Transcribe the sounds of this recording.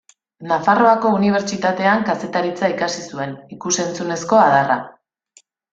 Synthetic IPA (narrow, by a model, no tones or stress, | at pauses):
nafaro̞ako̞uniβ̞e̞ɾt͡ʃit̪at̪e̞aŋkase̞t̪aɾit͡saikasisue̞nikuse̞nt͡sune̞sko̞að̞ara̰